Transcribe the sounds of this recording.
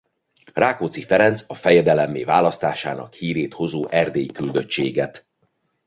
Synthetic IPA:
raːkoːt̪sifɛɾɛnt̪sɒfɛjɛd̪ɛlɛmːḛːvaːlɒst̪aːʃa̰ːnɒ̰khiːɾeːt̪ho̞zoːʔɛrd̪eːjikyld̪øt͡ʃt͡ʃːeːɡɛt̪

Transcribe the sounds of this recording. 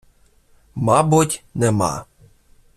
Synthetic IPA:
mɑbʊtʲnɛmɑ̰

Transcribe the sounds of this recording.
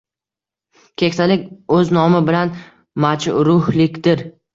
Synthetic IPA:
kʲʰe̞kʲt̪alɪkʲɵznɒmɪbɪlan | mat͡ʃɾʊhlɪkʲd̪̥ɪɾ

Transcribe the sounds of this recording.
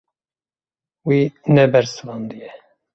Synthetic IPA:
winɛbɛɾsɨvɑnd̪ɨjɛ

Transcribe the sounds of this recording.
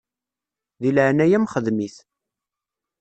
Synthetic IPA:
ðilʕnæjæmχəðmiθ

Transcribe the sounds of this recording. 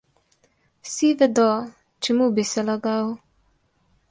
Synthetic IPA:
wsiʋɛd̪ɔ | t͡ʃɛmubisɛlaɡaw

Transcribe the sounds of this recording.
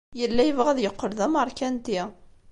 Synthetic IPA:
jəlːæjəvʁæðjəqːəɾðəməɾˤkænt̪i

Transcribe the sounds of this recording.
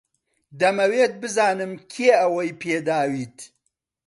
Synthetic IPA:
d̪ɐmɐweːt̪̚bɨzaːnɨmkʲʰeːɐwɐjpʰeːd̪aːwiːt̪

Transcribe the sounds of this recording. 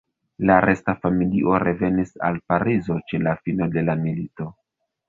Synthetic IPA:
laɾe̞stafamiliʔo̞ɾe̞ve̞nisa̰lpaɾizo̞t͡ʃe̞lafino̞de̞lamilito̞

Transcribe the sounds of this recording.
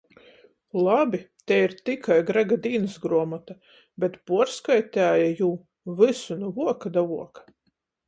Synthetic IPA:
lˠabʲit̪ɛiɾt̪ikʰajɡɾaɡad̪iːnɨsɡɾuɔmat̪a | bʲɛt̪puɔɾskajt̪ʲæːjajuː | vɨsunuvuɔkad̪avuɔkḁ

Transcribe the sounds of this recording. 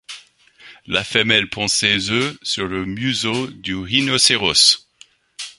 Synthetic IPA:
lafɛmɛlpʰɑ̃sezøsyʁləmyzod̪yʁinoseʁɔs

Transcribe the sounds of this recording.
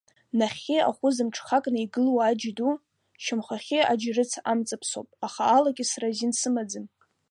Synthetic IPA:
naχʲea̰χʷʊzɨmʈ͡ʂʰχakʼnaiɡɨlwaːd͡ʒdu | ʃɪmχaχʲead͡ʒrɨt͡sʰa̰mt͡sʼapʰso̰wpʼaχaːlakʲʼɪsrazinsɨmad͡zɨn

